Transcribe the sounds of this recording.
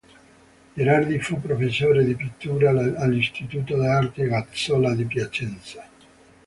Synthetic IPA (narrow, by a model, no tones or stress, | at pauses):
eɾard̪ifupːɾofesːoːɾed̪ipit̪ːuːɾaːlːist̪it̪uːt̪od̪eart̪eɡat̪solad̪ip̬jat͡ʃɛnt̪sa